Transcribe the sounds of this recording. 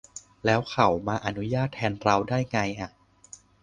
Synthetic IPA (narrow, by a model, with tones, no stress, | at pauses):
lɛː˦˥wkʰa˨˩˦wmaː˧ʔa˧nu˦˥jaː˥˩t̪ʰːɛː˧nɾa˧wdaː˥˩jŋa˧jʔa˨˩ʔ